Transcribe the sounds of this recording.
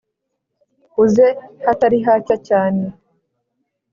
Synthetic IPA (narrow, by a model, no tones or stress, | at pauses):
huzehataɾiɦacacaːne